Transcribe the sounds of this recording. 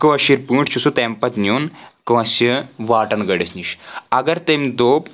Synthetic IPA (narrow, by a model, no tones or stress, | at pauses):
kɨʋɐʃiɾpuːʈʰt͡ʃʰusut̪empɐt̪ʲnʲjuːnkɐʋɐsɨʋaːʈɐnɡɐɖisniʃɐɡɐɾt̪emd̪oːp